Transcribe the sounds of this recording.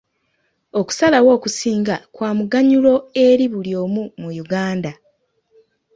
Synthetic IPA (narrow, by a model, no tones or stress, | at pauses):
o̞ku̥salawo̞ːkusiːŋɡakwaːmuɡaɲulo̞e̞ɾiβuljo̞ːmumujuɡaːnda